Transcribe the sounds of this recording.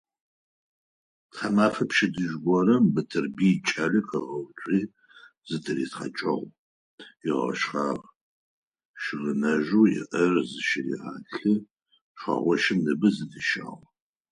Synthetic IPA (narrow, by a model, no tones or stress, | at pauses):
tχɐmaːfɐpʃɪdɨʒɡʷɔrɐmbɨtʰɨrbiːt͡ʃʼaːɮɨqʰɐʁɐwt͡ʃʷʼiː | zɨtʰɨrḭːtχɐ̰t͡ʃʼɐʁʷ | ɪʁɐ̰ʃχaːʁ | ʃɪʁɨnɐʒuːjɪ̰ʔɐrzɨʃɪrḭʁa̰ːɬɨ | ʃʷɐ̰ʁʷɔʃɪmnɨbɨzɨdʰɨʃa̰ːʁ